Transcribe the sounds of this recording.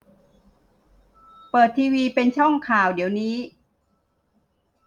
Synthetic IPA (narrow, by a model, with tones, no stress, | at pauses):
pɤː˨˩t̪ʰːiː˧wiː˧pe˧nt͡ɕʰɔ˥˩ŋkʰaː˨˩wdi˩˦wniː˦˥